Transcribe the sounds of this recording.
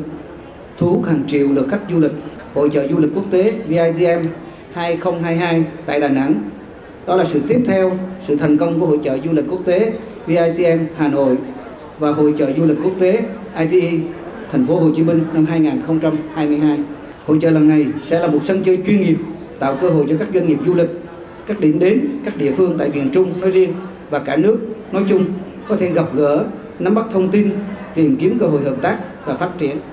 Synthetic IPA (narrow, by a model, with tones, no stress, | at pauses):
t̪ʰu˨˦haː˨˩ŋt͡ɕi˧˨əwlɨ̰˨əka˦˥k̟̚zu˧lï˨˩k̟̚ | ho̰˧˨jt͡ɕə̰ː˧˨zu˧li˨˩k̟̚ku˦˥ək̚t̪e˨˦vi˧ʔaː˧jt̪i˧ʔɛ˧m | haː˧jxə˧wŋ͡mɦaː˧jɦaː˧jt̪a̰ː˧˨jɗaː˨˩na̰˧˥ŋ | ɗɔ˨˦laː˨˩sɨ̰˧˨t̪i˦˥əp̚t̪ʰɛ˧wsɨ̰˧˨t̪ʰə˨˩nkə˧wŋ͡mku˧˩əho̰˧˨jt͡ɕə̰ː˧˨zu˧lï˨˩k̟̚ku˦˥ək̚t̪e˨˦ | vi˧ʔaː˧jt̪i˧ʔɛ˧mhaː˨˩no̰˧˨j | vaː˨˩ɦo̰˧˨jt͡ɕə̰ː˧˨zu˧lï˨˩k̟̚ku˦˥ək̚t̪e˨˦ | ʔaː˧jt̪i˧ʔi˧ | t̪ʰɛ˨˩ŋ̟fo˨˦ɦo˨˩t͡ɕi˨˦mï˧ŋ̟na˧mɦaː˧jŋaː˨˩nxə˧wŋ͡mt͡ɕa˧mhaː˧jmɨ˧əjɦaː˧j | ho̰˧˨jt͡ɕə̰ː˧˨lə˨˩nːa˨˩jsɛ̰˧˥laː˨˩mo˨˩t̚sə˧nt͡ɕəː˧jt͡ɕwi˧ənŋi˨˩əp̚ | t̪a̰ː˧˨wkəː˧ɦo̰˧˨jt͡ɕɔ˧kaː˦˥k̚zwa˧ŋ̟ŋi˨˩əp̚zu˧lï˨˩k̟̚ | kaː˦˥k̚ɗḭ˧˩mɗe˨˦nkaː˦˥k̚ɗḭ˧˨əfɨ˧əŋt̪a̰ː˧˨jvḭ˧˨ənt͡ɕʊ˧ŋ͡mnɔ˨˦jzi˧ən | vaː˨˩kaː˧˩nɨ˦˥ək̚nɔ˨˦jt͡ɕʊ˧ŋ͡m | kɔ˨˦t̪ʰe˧˩ɣə˨˩p̚ɣəː˧˩ | na˨˦mɓa˦˥k̚t̪ʰə˧wŋ͡mt̪i˧nt̪i˨˩mki˨˦əmkəː˧ɦo̰˧˨jhəː˨˩p̚t̪aː˦˥k̚vaː˨˩faː˦˥t̚t͡ɕi˧˩˨ən